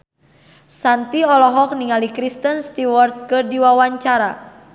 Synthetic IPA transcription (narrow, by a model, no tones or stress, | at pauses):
sant̪iɔlɔɦɔk̚niŋalikɾist̪ənst̪iwɔrt̪̚kɨrdiwawaɲt͡ʃaɾa